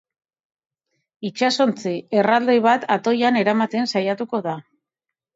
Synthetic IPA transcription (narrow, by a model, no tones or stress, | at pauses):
it͡ʃaso̞nt͡sie̞rald̪ejβ̞at̪at̪o̞jane̞ɾamat̪e̞nsajat̪uko̞ða